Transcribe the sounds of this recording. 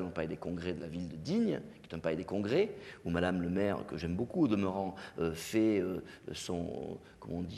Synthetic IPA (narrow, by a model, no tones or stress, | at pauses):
ɛ̃paed̪ekɔ̃ɡʁed̪əlavild̪əd̪iɲkʲjɛt̪ɛ̃paed̪ekɔ̃ɡʁeumad̪amləmɛʁ̰kəʒɛmbokuod̪əməʁɑ̃øfɛøsɔ̃ | kɔmɑ̃d̪i